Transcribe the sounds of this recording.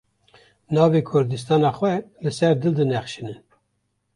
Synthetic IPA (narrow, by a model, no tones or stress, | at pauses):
nɑːveːkʰʊɾd̪ɨst̪ɑːnɑxwɛlɨsɛɾd̪ɨld̪ɨnɛχʃinɨn